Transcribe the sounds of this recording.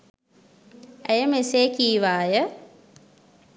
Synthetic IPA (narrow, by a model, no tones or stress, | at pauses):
æjəmeseːkiːʋaːjə